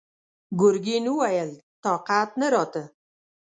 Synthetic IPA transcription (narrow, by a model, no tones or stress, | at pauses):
ɡʊɾɡinuwajəlt̪ɑqat̪nəɾɑt̪ə